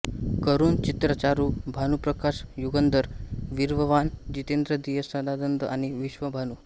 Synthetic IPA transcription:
kəɾuːnt͡ɕit̪ɾət͡ɕaɾubʱanupɾəkaɕjuɡənd̪əɾʋiɾʋəʋand͡ʑit̪end̪ɾəd̪ijəsəd̪ad̪ənd̪əʔañiʋiɕʋəbʱanu

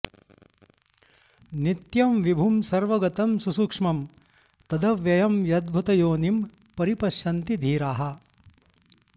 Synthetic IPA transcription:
nit̪jɐmʋibʱumsɐɾʋɐɡɐt̪ɐmsusukʂmɐm | t̪ɐd̪ɐʋjɐjɐmjɐd̪̚bʱut̪ɐjoːnim | pɐɾipɐʃjɐnt̪id̪ʱiːɾaːɦɐ̆

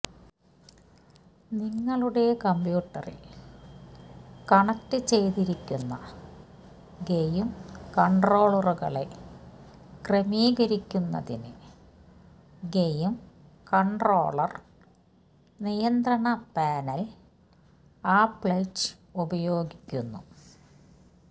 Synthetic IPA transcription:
niŋːɐɭuɽe̞kɐmbjuːʈːɐ̰rḭl | kɐɳɐk̚ʈɨt͡ɕejt̪iɾikʲːunːɐ̰ | ɡejumkɐɳɖro̞ːɭɐruɣɐ̰ɭe | kremiːɣɐɾikʲːunːɐ̰ðinɨ̰ | ɡejum | kɐɳɖro̞̰ːɭɐr | nijɐnd̪rɐɳɐpaːnɐl | aːpɭɐjt͡ɕ | ubɐjo̞ːɡikʲːunːu

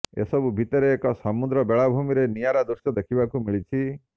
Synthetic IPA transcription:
ḛsɔbubʱit̪ɔɾeːkɔsɔmud̪ɾɔbeɭabʱumiɾenijaɾad̪uɾsjɔd̪ekʰibakumiɭit͡ʃʰi

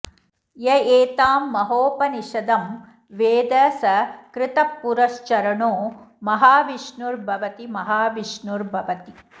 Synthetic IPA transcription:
jɐeːt̪aːmːɐɦoːpɐniʃɐd̪ɐm | ʋeːd̪ɐsɐkɾɪt̪ɐpːuɾɐʃt͡ʃɐɾɐɳoː | mɐɦaːʋiʃɳuɾbʱɐʋɐt̪imɐɦaːʋiʃnuɾbʱɐʋɐt̪i

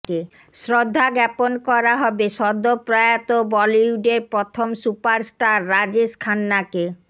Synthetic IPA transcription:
e | sɾod̪ʱːaɡɛponkɔɾaɦɔbeʃɔd̪ʱːopɾajat̪obɔliuɖeɾpɾot̪ʰomsupaɾsʈaɾːad͡ʑeʃkʰanːake

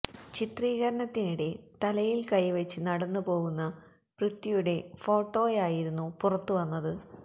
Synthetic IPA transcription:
t͡ɕit̪riːɣɐɾɐɳɐt̪ːiniɽe̞t̪ɐlɐjilkɐjʋɐt͡ɕːɨnɐɽɐnːupo̞ːɣunːɐ | prɨt̪ːijuɽe̞fo̞ːʈːo̞ːjaːjiɾunːupurɐt̪ːuʋɐnːɐðɨ

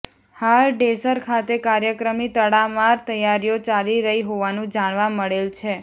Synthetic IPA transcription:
halɖesəɾkʰat̪ekaɾjəkɾəmit̪əɽamaɾt̪əjaɾijot͡ʃaliɾəɦiɦoʋanũd͡ʒaɳ̃ʋaməɭelt͡ʃʰe

